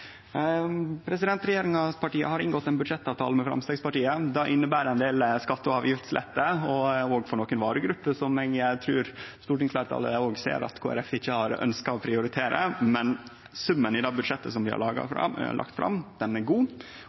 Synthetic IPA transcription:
pʰɾɛsɪd̪ɛnt̪ɾɛjeːɾɪŋɑspʰɑʈiːə̰hɑɾɪnɡɔt̪ːɛnbʉd̪ʂɛt̪ːɑːʋt̪ʰɑːləmɛfɾɑ̰mst̪eːɡspɑʈiːəd̪ɑːʔɪnːəbæːɾɛnd̪eːlskɑt̪ːəɑːʋjɪft̪slɛ̰t̪ːəɔɔɡfɔɳoːkənʋɑːɾəɡɾʉpːəsɔmɛɡjæɪt̪ʰɾʉːɾst̪uːʈɪŋsflæːɾʈt̪ʰɑ̰lːə̰oːɡsḛːɾɑ̰t̪kʰoːæ̰ɾɛfɪçːəhɑɾœ̰nskɑɔpʰɾɪʊɾɪt̪ʰeːɾʔə̰mɛn | sʉmːənɪd̪ɑːbʉd̪ʂɛt̪ːəsɔmʋɪhɑ̰ɭɑːɡɑ̰fɾɑ̰ɭʔɑ̰kt̪fɾɑ̰md̪̥ɛnæɾɡuː

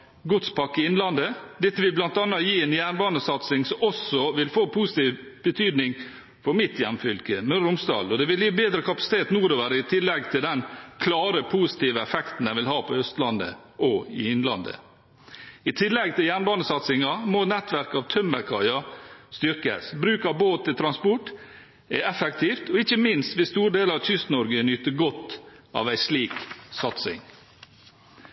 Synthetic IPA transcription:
ɡʊt̪spʰɑkːɪɪnlɑnd̪əd̪ɛt̪ːəʋɪlblɑnt̪ɑnːɑjiːɛːnjæːɳbɑːnəsɑt̪sɪŋsɔmɔsɔʋɪlfoːpʰuːsɪ̥t̪iːʋ | b̥ət̪ʰyːd̪nɪŋ | fɔɾmɪt̪ʰjɛmːfʏlkəmøɾʊmsd̪ɑ̰ːlɔd̪ɛʋɪljiːbeːd̪ɾəkʰɑpɑ̥sɪ̥t̪ʰeːt̪nuːɾoːʋəɾəɪt̪ʰɪlːɛɡt̪ʰɪld̪ɛnkʰlɑːɾəpʰusɪ̥t̪iːʋəɛfɛkt̪n̩æɪʋɪlɦɑːpʰɔœst̪lɑnd̪ə̰ | ʔɔɪɪnlɑ̰nd̪ə̰ | ɪt̪ʰɪlːɛɡt̪ʰɪljæːɳbɑːnəsɑt̪sɪŋɑmɔnɛt̪ʋæɾkɑːʋt̪ʰœmbæɾkʰɑɪɑst̪ʏɾkə̰sbɾʉːkɑʋboːt̪ʰːɪlt̪ʰɾɑnspɔʈ | ɛɛfɛkt̪ʰiːft̪ɔɪçːəmɪnst̪ʋɪst̪uːɾɖ̪eːlɑʋtʏst̪nɔɾɡənʏt̪ːəɡɔt̪ːɑ̰ːʋæɪsliːksɑt̪sɪ̰ŋ

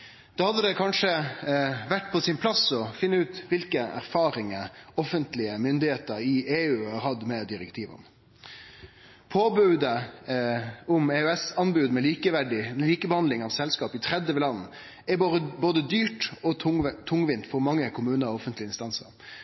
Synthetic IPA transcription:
d̪̥oːhɑd̪ːəd̪ɛkʰɑnʂə | ʋæʈːpʰɔsɪnpʰlɑsɔfɪnːəʉːt̪ʋɪlkəʔæ̰ɾfɑːɾɪŋəɔfənt̪lɪəmʏnd̪ɪheːt̪əɾɪeːʉːɑːɾhɑd̪mɛd̪ɪɾɛkt̪ʰiːʋə̰n | pʰoːbʉd̪ə | ʊmeːʉɛsɑnbʉːd̪mɛliːkəʋæɖɪɛliːkəbəhɑnd̪lɪŋɑʋsɛlskɑːpɪt̪ʰɾɛd̪ːəʋɪlɑnn̩ | ɛboːd̪əd̪yːʈɔt̪ʰːʊŋʋɪnt̪fɔɾmɑŋːəkʰʊmʉːnəɾɔɔfənt̪lɪəɪnst̪ɑnsə̰ɾ

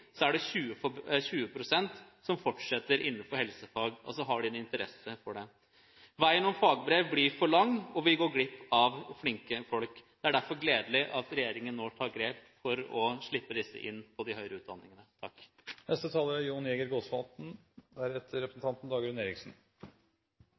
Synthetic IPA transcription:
sɔæɖɛçʉːəfɔçʉːəpʰɾʊsɛnt̪sɔmfɔʈʂɛt̪ːəɾɪn̩ːfɔɾhɛlsəfɑːɡɔ̰sɔɦɑɖɪːnəɪnt̪əɾɛ̰səfɔɖɛ | ʋæɪənɔmfɑːɡbɾeːʋblɪɾfɔɭɑŋːɔʋɪɡoːɾɡlɪpːɑʋflɪŋkəfɔlkd̪̥ɛæɖæɾfɔɾɡleːd̪lɪʔɑt̪ɾɛjeːɾɪŋənːoːt̪ʰɑːɾɡɾeːpfɔɾɔʂɭɪpːəd̪ɪsːə̰ʔɪnːpʰɔd̪ɪhœʏɾəʉːt̪̚d̪ɑ̰nːɪŋənət̪ʰɑkːnʔɛst̪ət̪ʰɑːləɾæɾjuːnjɛːɡəɾɡoːsʋɑt̪n̩ | d̪ææɾɛt̪ːəɾɛpɾə̥sn̩t̪ʰɑnt̪n̩d̪ɑːɡɾʉneːɾɪksn̩

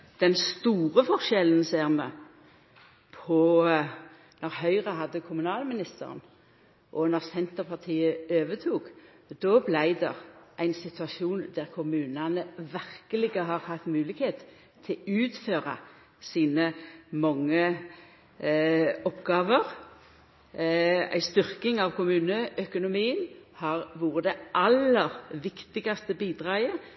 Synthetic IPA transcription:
d̪̥ɛnst̪uːʁəfɔʁʃɛlən̩seːʁmɛ | pʰɔ | nɔʁhœʏʁəɦɑd̪ːəkʰʊmʉnɑːlmɪnɪst̪ə̰ʁən | ʔɔnɔʁsɛnt̪əʁpʰɑʁt̪ʰiːəøːʋət̪ʰuːk | d̪ɔblæɪd̪ɛ̰ʁʔæɪnsɪt̪ʉɑʃuːnd̪æʁkʰʊmʉːnɑnəʋæʁkəlɪɡəɦɑʁhɑft̪mʉːlɪɡheːt̪ | t̪ʰːɪlʉːt̪føːʁɑ̰ | siːnəmɑŋːə | ɔpːɡɑːʋəʁ | æ̰ɪst̪ʏʁkɪŋɑʋkʰʊmʉːnəʔœkʊnʊmiːənhɑʁʋuːʁəd̪ɛʔɑlːəʁʋɪkt̪ɪɡɑst̪əbiːd̪ʁɑːə

